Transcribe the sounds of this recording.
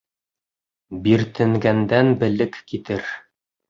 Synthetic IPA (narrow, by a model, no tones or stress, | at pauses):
biɾt̪ʰɘ̆ŋɡænd̪ænbɘ̆lɘkːit̪ɘɾ